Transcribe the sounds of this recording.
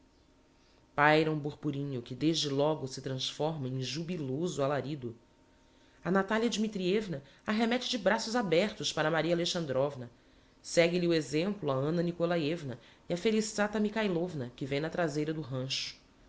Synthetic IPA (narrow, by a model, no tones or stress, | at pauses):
pajɾɐũbuɾpuɾĩɲʊkɪd̪eʒd͡ʒɪlɔɡʊsɪt̪ɾɐ̃sfɔɾmɐẽj̃ʒubilozʊalaɾid̪ʊ | ɐnat̪aliɐd͡ʒimit̪ɾiɛvnɐaɦemɛt͡ʃɪd͡ʒɪbɾasʊzabɛɾt̪ʊspaɾɐmaɾiɐaleʃɐ̃nd̪ɾɔvnɐ | sɛɡɪliuezẽmplʊɐɐ̃nɐnikolaevnɐiɐfelisat̪ɐmikajlovnɐkɪvẽj̃nɐt̪ɾazejɾɐd̪ʊɦɐ̃ʃʊ̥